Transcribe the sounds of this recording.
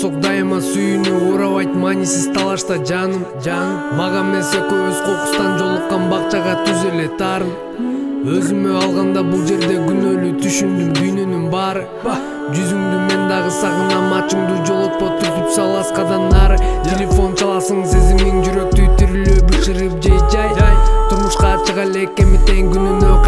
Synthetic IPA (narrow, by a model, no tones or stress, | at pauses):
soq̚d̪ɑjmɑsyjynyuːɾɑβɑjt̪manʲisiz̥t̪ʰɑlˠɑʃt̪ɑd͡ʒɑ | d͡ʒɑmɑʁɑme̞se̞køøzqo̞qu̥st̪ɑnd͡ʒo̞lˠuqːɑnbɑqt͡ʃɑʁɑt̪ʰyzele̞t̪ʰɑɾɯn | ø̞zymøɑlˠʁɑnd̪ɑbulˠd͡ʒe̞ɾd̪e̞ɡynø̞lyt̪ʰyʃymd̪ynd̪yjnø̞nynbɑɾɯ | d͡ʒyzymɡ̪yme̞nd̪ɑʁɯsɑʁɯnɑmɑt͡ʃɯmd̪uːd͡ʒo̞lˠot̪̚po̞t̪ːup̪yt̪søɑlˠɑsqɑd̪ɑnd̪ɑɾt̪ʰʲelʲefo̞nt͡ʃɑlˠɑsɯŋsizimiŋd͡ʒyɾø̞k̚t̪yt̪yɾyløbɯʃɯɾɯp̚d͡ʒejd͡ʒɑjt̪ʰuɾmuʃqɑt͡ʃɯʁɑleke̞mit̪e̞ŋɡynynø